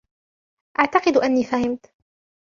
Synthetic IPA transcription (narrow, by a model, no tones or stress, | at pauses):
ʔaʕt̪ɑqɨd̪ʔanːiːfahɪmt̪